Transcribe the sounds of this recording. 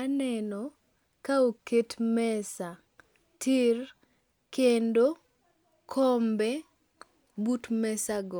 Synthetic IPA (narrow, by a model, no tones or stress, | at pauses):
anɛnɔ | kaoketmɛsa | tʰir | kendo | kʰɔmbɛ | butmɛsaɡɔ